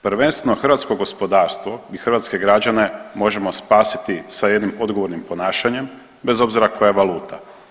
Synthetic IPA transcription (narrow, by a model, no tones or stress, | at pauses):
pɾʋe̞nst̪ʋe̞noxrɾʋaːt̪skoɡo̞spo̞d̪aːɾst̪ʋo̞ixɾʋat̪ske̞ɡɾad͡ʑane̞mo̞ʒe̞mo̞spaːsi̥t̪isaje̞d̪nimo̞d̪ɡo̞ʋo̞ɾnimpo̞naːʃaɲe̞m | be̞zo̞bziɾakʰo̞jaʋalˠuːt̪a